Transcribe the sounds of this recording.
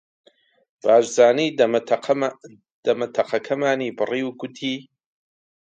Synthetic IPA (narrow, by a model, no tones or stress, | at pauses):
b̥aːʃzaːniː | d̪̥ɐmɐt̪ʰɐqɐkʰɐmaːniːbɨriːwɡʊt̪ʰiː